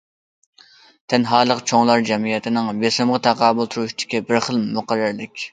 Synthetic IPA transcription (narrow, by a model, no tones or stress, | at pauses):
t̪ʰɛnɦɑːlˠəqt͡ʃʰoŋlˠɑɾd͡ʒɛmijɛt̪ʰɪnɪŋbesɪmʁət̪ʰɑqɑːbʊlˠt̪ʰuɾuʃid̪̥ɪ̥kʲibɪɾχəlˠmoqɑɾːɪɾlɪkʲ